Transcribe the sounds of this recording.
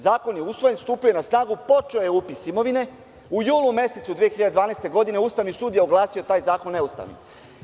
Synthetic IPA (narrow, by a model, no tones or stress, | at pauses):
zaːko̞njeusʋojenst̪uːpijojenasnaːɡupo̞t͡ʃeojeupisimo̞ʋine̞ | ujuːlˠume̞set̪sud̪ʋije̞xiʎad̪ed̪ʋaːnest̪e̞ɡo̞d̪ine̞ust̪aʋnisuːd̪jeoɡlˠaːsio̞t̪aːjzaːkonːe̞ust̪a̰ʋnḭ